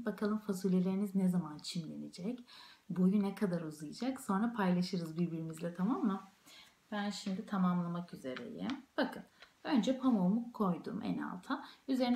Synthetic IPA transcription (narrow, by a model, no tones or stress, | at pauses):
bakʰalˠɯmfazulʲelʲe̞ɾiniznezamant͡ʃʰimlʲe̞ned͡ʒɛcbujunɛkʰad̪aɾozɯjɯd͡ʒakso̞nɾapʰajlˠaʃɯɾɯzbiɾbiɾimizlʲɛt̪ʰamamːa | b̥ænʃimd̪it̪ʰamamlˠamakyze̞ɾɛ̰jɛ̰mb̥akʰɯn | ø̞nd͡ʒɛpʰamoumukʰo̞jd̪ṵmʔɛ̰na̰lˠt̪ʰayze̞ɾin